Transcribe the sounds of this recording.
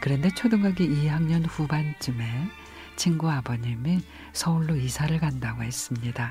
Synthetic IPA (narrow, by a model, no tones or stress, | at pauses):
kɯɾʌnde̞t͡ɕʰodɯŋɡaɡiiɦaŋɲʌnɸubant͡ɕɯme | t͡ɕʰiŋɡuabʌɲimi | sʰʌuɭːoisʰaɾɯɭɡandaɡoɦe̞s͈ɯmɲida